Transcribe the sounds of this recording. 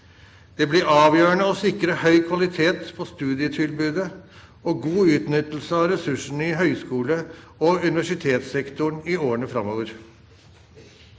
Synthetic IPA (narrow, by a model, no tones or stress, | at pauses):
d̪̥ɛːblɪɾɑːʋjøːəɳəɔsɪkɾəhœʏkʰʋɑlɪt̪ʰeːt̪pʰɔst̪ʉːd̪ɪət̪ʰɪlbʉːd̪ə | oːɡuːʉːt̪nʏt̪l̩səɑʋɾɛsʉʂɳ̩ɪɦœʏskuːlə | ɔʉnɪʋæʂɪt̪ʰeːt̪sɛkt̪ʊɳɪoːəɳəfɾɑmoːʋəɾ